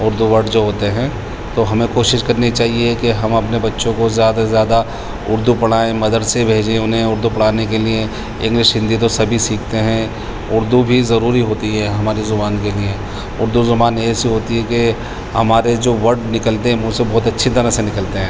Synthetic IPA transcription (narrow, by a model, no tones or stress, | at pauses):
ʊɾd̪uʋɐɾɖd͡ʒoːɦoːt̪eɦɛ̃ː | t̪oɦɐmẽkoːʃɪʃkɐɾnit͡ʃaːɦiekeɦɐmɐpnebɐtːʃõkozjaːd̪azjaːd̪a | ʊɾd̪upɐɽ̤aːẽmɐd̪əɖsebʱeːd͡ʒẽʊnɦẽʊɾd̪upɐɽ̤aːnek̬elie | ɪ̃ŋɡlɪʃɦɪ̃nd̪it̪̬osɐbʱisiːk̚ʰt̪eɦɛ̃ | ʊɾd̪ubʱizɐɾuːɾiɦoːt̪iɦɛɦɐmaːɾizʊbaːnkelie | ʊɾd̪uzɐbaːnjɛːsiɦoːt̪iɦɛke | hɐmaːɾed͡ʒoːʋɐɾɖnɪkəlt̪eɦɛ̃ʋõːsebɔːt̪ɐtːʃʰit̪ɐɾəsenɪkəlt̪eɦɛ̃ː